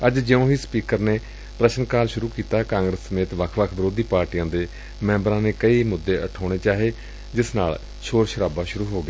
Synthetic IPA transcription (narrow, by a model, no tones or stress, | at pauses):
əd͡ʒd͡ʒəõːɦiːspiːkəɾneː | pɾəʃənkaːlʃʊɾuːkiːt̪aːkãːŋɡɾəsːəmeːt̪ʋəkʰʋəkʰbɪɾoːd̪iːpaːɾʈijãːd̪eː | mɛ̃ːmbɾãːneːkəiːmʊd̪ːeːʔəʈʰaːɽ̃eːt͡ʃaːɦeː | d͡ʒɪsnaːl | ʃʰoːɾʃəɾaːbaːʃʊɾuːɦoːɡɪeː